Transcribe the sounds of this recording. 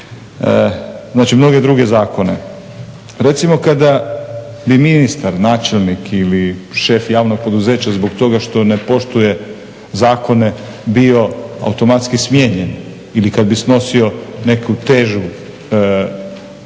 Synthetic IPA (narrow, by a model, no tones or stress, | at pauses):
zaːt͡ʃimno̞ɡe̞d̪ɾuɡe̞zaːko̞ne̞ | ɾe̞t̪simo̞kad̪a | biminist̪aɾnaːt͡ʃe̞lˠnikʰiliʃe̞fjaːʋno̞ɡ̚po̞d̪uze̞ːt͡ɕazboɡt̪o̞ɡaʃt̪o̞ne̞po̞ʃt̪uje̞ | zaːko̞ne̞ | bio̞a̰wt̪o̞mat̪skismjeːɲen | ilikad̪̚bisno̞sio̞ne̞kut̪e̞ʒu